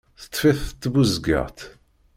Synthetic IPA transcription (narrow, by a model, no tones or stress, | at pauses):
θə̥t̪ˤːfiθt̪ːbuzɡə̰ʁt̪